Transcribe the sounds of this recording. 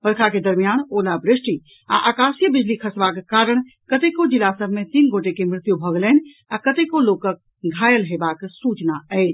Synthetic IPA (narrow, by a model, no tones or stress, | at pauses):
pəɾkʰaked̪əɾmijaːnoːlabɾɪsʈi | a̰ʔaːkaːsjəbɪd͡ʒlikʰəsbakkaːɾəɽ̃ | kət̪ekod͡ʒilasəbʱmẽt̪iːnɡoːʈekemɾɪt̪jubʱəɡlɛn | akət̪ekoloːkək̚ | ɡʱaːjəlɦebaksuːt͡ʃnaɛɪd͡ʒ